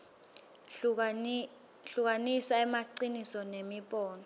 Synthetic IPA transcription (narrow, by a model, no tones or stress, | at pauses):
ɬuk̬anisaɛmaǀinisɔnemiɓʼɔːnɔ